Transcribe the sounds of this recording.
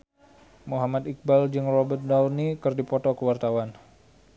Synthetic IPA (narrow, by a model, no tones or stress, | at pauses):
muɦamat̪ik̚bald͡ʒɨŋrɔbət̪̚dɔlnikɨrdipɔt̪ɔkəwart̪awan